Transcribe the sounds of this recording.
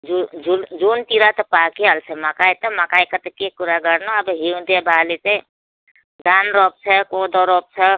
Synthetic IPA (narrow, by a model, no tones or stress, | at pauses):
d͡ʒud͡ʒuld͡ʒuːnt̪iɾat̪ɔpaːkialsʰɛmakaːjt̪ɔmakaːjkət̪əkekuɾaɡəɾnoɐbɦiũd̪ebaːlit͡ʃe | ɡanɾɔp̚t͡ʃʰekod̪ɔɾɔp̚t͡ʃʰe